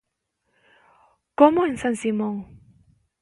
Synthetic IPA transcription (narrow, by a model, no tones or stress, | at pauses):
kɔmɔnsansimɔŋ